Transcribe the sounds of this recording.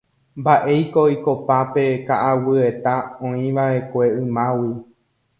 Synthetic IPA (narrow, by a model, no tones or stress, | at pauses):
mbaʔe̞jkoikopape̞kaʔawɨe̞t̪aõĩʋaʔe̞kʷe̞ɨ̃mãwi